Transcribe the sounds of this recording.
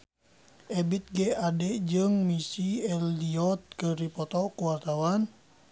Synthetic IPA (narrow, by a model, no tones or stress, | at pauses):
ʔɛbit̪̚ɡɛadɛd͡ʒɨŋmisiɛldiɔt̪̚kəɾipɔt̪ɔkuwart̪awan